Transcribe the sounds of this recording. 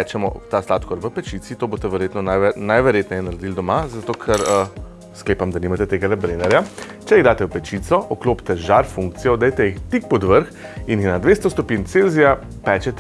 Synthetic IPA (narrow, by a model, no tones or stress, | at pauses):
ɛt͡ʃɛmɔ̰t̪aslaːt̪kɔɾʋəpɛt͡ʃit̪sit̪oːboːst̪ɛʋɛɾjeːt̪nɔnanajʋɛɾjeːt̪nɛjɛnɐɾɛd̪ild̪ɔmazat̪oːkʰɛɾə | skleːpamd̪aniːmat̪ɛt̪eːɡalɛbɾenɛɾja | t͡ʃɛjiɣd̪aːt̪ɛwpɛt͡ʃit̪sɔʔɔklopt̪ɛʒaɾfuŋk̚t̪sijɔd̪ɛjt̪ɛjixt̪ik̚pɔd̪ʋəɾx | injixnad̪ʋeːst̪ɔst̪ɔpint̪selzija | pɛːt͡ʃɛt̪